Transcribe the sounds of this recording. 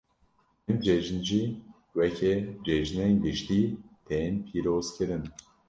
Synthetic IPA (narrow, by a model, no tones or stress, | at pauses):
ɛnd͡ʒɛʒɨnʒi | wɛkʰɛd͡ʒɛʒnenɡɨʃt̪iːt̪ʰeːnpʰiːɾoːzkʰɨɾɨn